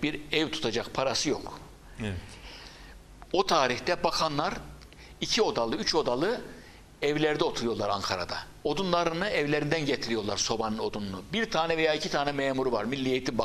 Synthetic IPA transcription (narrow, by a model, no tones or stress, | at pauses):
biɾɛvt̪ʰu̥t̪ʰad͡ʒakpʰaɾasɯjo̞k | ot̪ʰaːɾiçt̪ɛbakʰanlˠaɾ | icʰio̞d̪alˠɯyt͡ʃʰo̞d̪alˠɯ | ɛvlʲɛɾd̪ɛo̞t̪ʰuɾujo̞ɾlˠa̰ɾa̰ŋkʰaɾa̰d̪a | o̞d̪unlˠaɾɯnɯɛvlʲeɾind̪ænɟet̪ʰiɾijo̞ɾlˠaɾso̞banɯno̞d̪unlˠubiɾt̪ʰaːnɛve̞jaːicʰit̪ʰaːnɛmɛːmuɾuvaɾmilʲːijet̪ʰinb